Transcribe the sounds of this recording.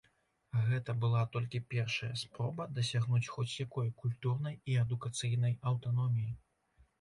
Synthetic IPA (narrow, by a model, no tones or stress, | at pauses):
ɣɛt̪ɐbɨlˠat̪ɔlʲkʲipʲɛrʂɐjɐspɾɔbɐd̪ɐsʲaɣnut͡sʲxɔt͡sʲjakɔjkulʲt̪urn̪ɐjiɛd̪ukat̪sɨjn̪ɐjɐwt̪anɔmʲiji